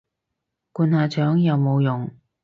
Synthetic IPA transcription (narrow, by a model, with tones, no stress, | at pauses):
kuː˨˧nhaː˨˧t͡ʃʰœː˨˥ŋjɐ˨˧wmo˨˧wjʊ˨ŋ